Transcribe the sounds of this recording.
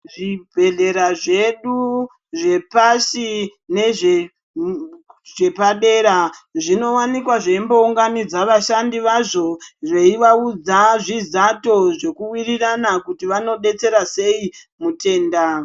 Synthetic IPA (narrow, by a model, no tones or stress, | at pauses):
ʐibʱe̞ɮe̞ɾaʐe̞ɗu | ʐe̞pasine̞ʐe | ʐe̞paɗe̞ːɾaʐino̞wanikwaʐeimbo̞uŋɡanid͡zaʋaʃandiʋaʐo̞re̞iʋaud͡zaʐizato̞ʐe̞kuwiriranakutiʋano̞ɓe̞t͡se̞ɾase̞i | mute̞ːnda